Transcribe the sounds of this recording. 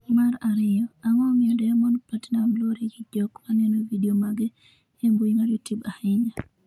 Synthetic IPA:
maɾaɾɪjɔaŋɔmɪɔdɔamɔnpatnamloɾiɡid͡ʒɔkmanɛnovidiomaɡe | ɛmbuiŋaljutjubahɪɲa

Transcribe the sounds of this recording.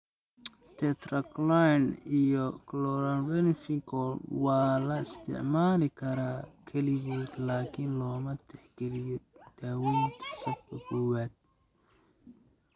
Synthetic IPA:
t̪ʰɛt̪rɐklajnijɔklɔɾanbɛnfikʰɔlwɑːlɐɪst̪ʰɪ̰ʕmaːlɪkʰɐɾaːkʰɐlɪβuːd̪laːkʰiːnlɔːmɐt̪ʰɛħɡɛlɪjɔd̪̥aːwɛːnt̪ʰɐ̥sɐkkʰɐkɔwaːd̪̚

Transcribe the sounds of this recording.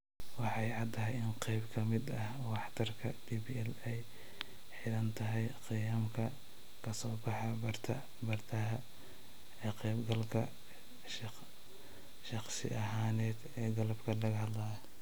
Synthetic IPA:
wɑħɑjʕɑd̪t̪ʰːɐɦɛjɪnqɛjbkʰɐmɪd̪ɐh | wɑħt̪ʰɐrkʰɐd̪iːbiɛlɛj | ħɪdɐnt̪ʰɐɦɛjqɪjaːmkʰɐ | kʰɐsɔːbɑħɑbɐrt̪ʰɐ | bɐrt̪ʰɐɦɐ | ɛːqɛjbɡɐlkʰɐ | ʃ | ʃɑqsɪ̰ʔɐɦaːnɛːd̪ɛːɡɐlɐbkʰɐlɐɣɐhɐd̪laːj

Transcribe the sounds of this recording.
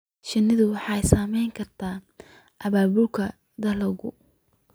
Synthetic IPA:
ʃɪnɪðʊwɑħɑjsaːmɛjŋkʰɐrt̪ʰaː | ʔɐβaːβʊlkʰɐ | d̪ɐlɐɣʊ

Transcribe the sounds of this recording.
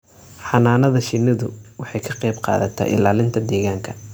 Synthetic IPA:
ħɑnaːnɐðɐʃɪnːɐðʊ̰wɑħɑjkʰɐqɑjbqɑ̰ːðɐt̪ʰɛ̰ʔɪ̰laːlɪnt̪ʰɐd̪ɛːɣaːŋkʰɐ̥

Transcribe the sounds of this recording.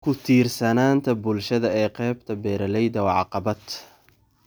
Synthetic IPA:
kʰʊt̪ʰiːrsɐnaːnt̪ʰɐbʊlʃɐðɐɛːqɛːbt̪ʰɐbɛːɾɐlɛjd̪ɐwɑʕɑ̰qɑbɐd̪

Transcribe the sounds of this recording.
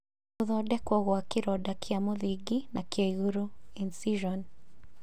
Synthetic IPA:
uðɔdɛkwɔɣwakiɾɔdakʰiamoðiɡinakjaiɣuɾuinsiʒɔn

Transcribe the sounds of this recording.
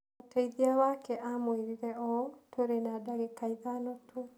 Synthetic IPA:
otʰaiðiawakɛʔamweɾiɾɛɔtʰoɾenadaɣekaiðanɔtʰo

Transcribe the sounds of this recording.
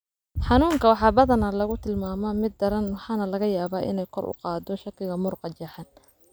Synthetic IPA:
ħɑnuːŋkʰɐwɑħɑːbɐðɐnɐlɐɣʊt̪ʰɪlmaːmɔmɪd̪ːɐɾɐnwɑħɑːnɐlɐɣɐjaːβaːʔɪ̰nɛjkʰɔrʔʊ̰qɑːd̪ɔʃɐkʰɪɣɐmʊrqɑt͡ʃɐħɑn

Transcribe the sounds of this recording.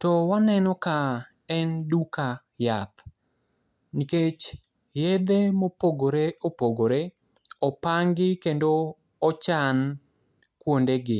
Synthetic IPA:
tɔwanɛnɔka | ɛnduka | jat̪ | niket͡ʃ | jɛd̪emopoɡoɾeopoɡoɾe | ɔpaŋɡɪkendo | ɔt͡ʃan | kwondeɡɪ

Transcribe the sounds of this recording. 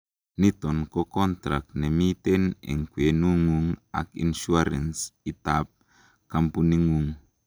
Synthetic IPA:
nit̪ɔnkokɔnt̪ɾa̰k̚nemit̪ɛnɛ̰ŋkwenuŋuŋa̰kḭnʃuaɾɛ̰nsit̪ap̚ | kampuniŋuŋ

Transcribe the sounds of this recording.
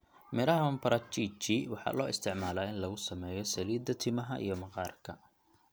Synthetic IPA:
mɪlɐɦɐɐmpɐɾʔɐt͡ʃʰiːt͡ʃɪwɑħɑ̰ːlɔːɪst̪ʰɪʕmaːlaːɪnlɐɣʊsɐmɛːjɔsɐliːd̪ɐt̪ʰɪmɐɦɐʔḭjɞmɐqɑːrkʰɐ

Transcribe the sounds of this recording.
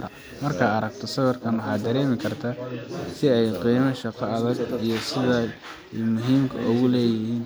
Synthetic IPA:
ɾɐ̰ | mɐrkʰɐɐɾɐɡt̪ʰɔsɐɣɐrkʰɐnwɑħɑːd̪ɐɾɛːmɪkʰɐrt̪ʰaːsɪɛjqiːmɐʃɑqɑɐðɐɡijɞsɪðɐ | mʊɦiːmkʰɐ̰ʔʊɣʊlɛːjɪhiːn

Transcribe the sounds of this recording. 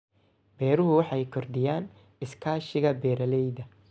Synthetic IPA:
b̥ɛːɾʊɦʊwɑħɑjkʰɔrd̪ɪjaːn | ɪskʰaːʃɪɣɐbɛːɾɐlɛjðɐ

